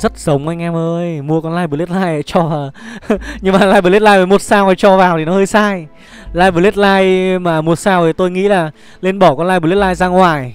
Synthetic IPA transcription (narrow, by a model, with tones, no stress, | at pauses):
zə˦˥t̚zə˨˦wŋ͡mʔa˧jŋ̟ʔɛ˧mʔəː˧jmu˧əkɔ˧nlaː˧jɓɨ˨˩˦le˦˥t̚laː˧ja̰ː˧˨˦jt͡ɕɔ˧˩vaː˨˩wɲɨ˧ŋmaː˨˩laː˧jɓɨ˨˩˨lt̚laː˧jəː˧˩mo˨˩t̚saː˧whaː˧˩jt͡ɕɔ˧˩vaː˨˩wt̪ʰi˨˩nɔ˨˦həː˧jsaː˧j | laː˧jɓɨ˨˧˩lt̚laː˧jmaː˨˩mu˨˩t̚saː˧wʔt̪o˧jŋḭ˧˥laː˨˩ | le˧nɓɔ˧˩kɔ˧nlaː˧jɓle˦˥tlaː˧jzaː˧ŋwaː˨˩j